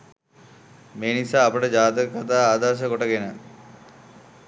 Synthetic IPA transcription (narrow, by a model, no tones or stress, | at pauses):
meːnisaːɐpəʈəd͡ʑaːt̪əkat̪̬aːaːd̪aɾʃ̬əkoʈəɡenə